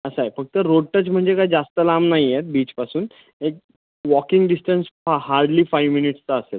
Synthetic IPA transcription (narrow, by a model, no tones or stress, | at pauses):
əsajefək̚t̪əɾoɽ̚ʈət͡sm̤əɳd͡zekajd͡zast̪əlamnaɦijet̪̚biːt͡ɕpasuːn | ek̚ | ʋɔkiŋɡɖisʈənshaɾɖliːfajʋminiʈst͡səəsel